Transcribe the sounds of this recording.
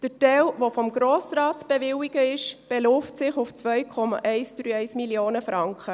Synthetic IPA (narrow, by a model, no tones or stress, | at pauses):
d̥ətɛlʋofɔmɡ̥ɾoːsɾɑːtb̥ɛʋɪwiɡ̥əɪʃb̥ɛlʊftsɪχʊft͡sʋœjkʰɔmɑ̰ʔɛɪst͡sdɾyːɛɪsmiljoːnəfɾɑŋkχə